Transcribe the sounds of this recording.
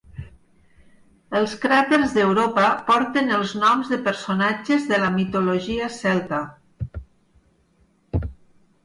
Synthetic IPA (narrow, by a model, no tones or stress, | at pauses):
əlˠskɾat̪eɾzðəwɾopəpɔɾt̪ənəlˠznɔmzðəpəɾsonad͡ʒəzðələmit̪oloʒiəsɛlˠt̪a